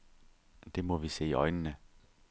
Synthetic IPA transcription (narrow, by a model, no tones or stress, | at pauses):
d̥e̝mɒ̽ʋise̝̰ːiɒ̽ɪnənə